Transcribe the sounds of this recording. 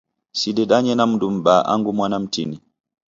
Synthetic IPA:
sidɛɗaɲɛnamdumɓaːʔa̰ŋɡumwanamtḭni

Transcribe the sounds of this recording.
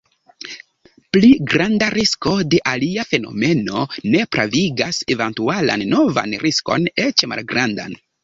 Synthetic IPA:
pliɡɾandaɾisko̞de̞ʔaliafe̞no̞̰me̞no̞ne̞pɾaviɡase̞ventuala̰nːo̞va̰nɾisko̞̰ne̞t͡ʃma̰lɡɾanda̰n

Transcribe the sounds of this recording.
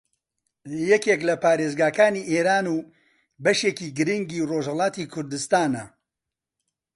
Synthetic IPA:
jɛkeklɐpaːɾeːzɡaːkaːniːʔeːɾaːnuː | bɐʃeːkiːɡɨɾiŋɡiːroʒhɐlɑːt̪iːkʰʊɾd̪ɨst̪aːnɐ

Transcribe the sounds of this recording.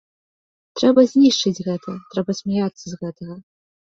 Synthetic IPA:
t̪ɾɛbɐzʲnʲiʂt͡ʂɨd͡zʲɣɛt̪ʰɐt̪ɾɛbɐsʲmʲajat̪sːɐzɣɛt̪ɐɣɐ

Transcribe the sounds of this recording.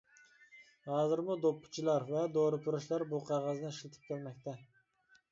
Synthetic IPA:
hɑːzɨɾmud̪opʰːʊ̥t͡ʃʰilˠɑɾvɛd̪oɾɨpʰuɾuʃlˠɑɾbuqʰɑʁɑznɨiʃlˠɨt̪ʰɨ̥p̚kʲʰælmɛk̚ʲt̪ʰɛ

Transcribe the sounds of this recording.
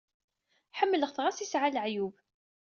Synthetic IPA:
ħəmːələʁθʁasisʕalʕjub

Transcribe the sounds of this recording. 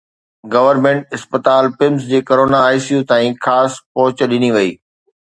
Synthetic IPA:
ɡɐʋəɾmẽːɳʈɪspət̪aːlpɪms̬d͡ʑeːkɐɾoːnaːɪsijũt̪ãːĩxaːspɔɦʊt͡ɕəɗɪniʋɐiː

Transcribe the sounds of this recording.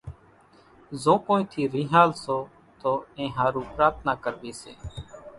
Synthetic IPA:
zõːkõːĩːt̪ʰiːɾiːɦaːlsoː | t̪oːẽːɦaːɾũːpɾaːt̪ʰnaːkəɾbiːsḛː

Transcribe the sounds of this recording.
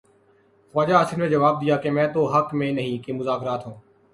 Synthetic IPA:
xaːd͡ʒaːsɪnmẽːd͡ʒəʋaːb̚d̪ɪjaːkemɛ̃ːt̪oːɦəkmẽːnəɦĩːkeːmʊzaːkɾaːt̪ɦũː

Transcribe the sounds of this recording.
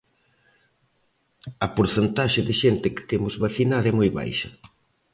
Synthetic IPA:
ɐpoɾθent̪aʃɪðɪʃent̪ɪkɪ̥t̪emʊzβaθinaðɐɛmojβa̰jʃɐ̰

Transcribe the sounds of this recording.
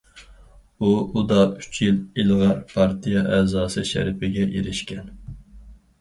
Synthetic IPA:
uud̪ɑy̥t͡ʃʰjililˠʁɑɾpʰɑɾt̪ʰijɑʔɛːzɑːsɨʃæ̰ɾɪpɪɡʲɛjeɾɪʃkʲɛn

